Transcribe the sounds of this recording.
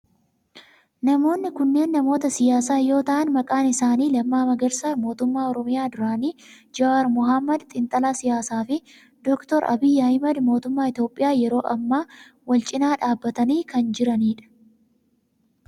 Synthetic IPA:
nɐmo̞ːnːɪkʊnːe̞ːnːɐmo̞ːt̪ɐsɪjaːsaːjo̞ːt̪ɐʔɐnmɐkʼaːnɪsaːniːlɐmːaːmɐɡɐɾsaːɾmo̞ːt̪ʊmːaːɔɾɔmɪjaːd̪ʊɾaːniː | d͡ʒɐɐɾmʊɦɐmːɐd̪t̪ʼɪnt̪ʼɐlaːsɪjaːsaːfɪ | d̪ɔkt̪ɔɾʔɐ̰bɪːjɐhɪmɐd̪mo̞ːt̪ʊmːaːɪt̪jo̞ːpʼːɪjaːjɛɾo̞ːʔɐmːaː | wɐlt͡ʃʼɪnaːᶑaːbːɐt̪ɐniːkɐnd͡ʒɪɾɐniːᶑɐ̥

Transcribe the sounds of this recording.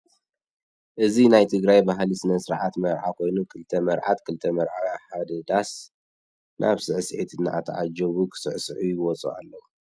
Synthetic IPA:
ʔɨzinajt̪ʰɨɡɾajbaɦlisɨnɐsɨɾʕat̪mɐɾʕakʰo̞jnukʰɨlt̪ʰɐmɐɾʕat̪kʰɨlt̪ʰɐmɐɾʕaħad̪ɐd̪as | nʔa̰βsɨʕsʔet̪ʰɨnːa̰ʔat̪ʰɐ̰ʕa̰d͡ʒɐβukʰɨ̥sɨʕsʕujɪwɔt͡sʼṵa̰lːɐwu

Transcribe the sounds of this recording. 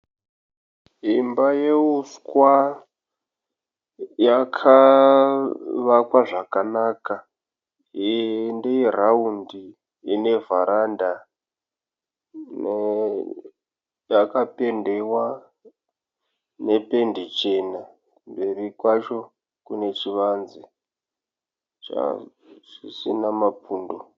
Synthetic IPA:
imbaje̞uskwa | jakʰa | ʋakwaʐakanaka | ndejeraundi | ine̞vaɾanda | ne | jakape̞nde̞wa | ne̞pe̞ndit͡ʃena | mbe̞rikwat͡ʃo̞ | kune̞t͡ʃiʋanzi | t͡ʃa̰ | ʐisinamapuːndo

